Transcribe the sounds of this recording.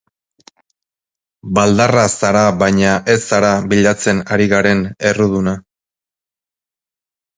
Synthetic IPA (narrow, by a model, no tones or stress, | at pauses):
bald̪arasaɾaβajɲaʔe̞saɾaβiʎat͡se̞naɾiɣaɾe̞ne̞ruð̞una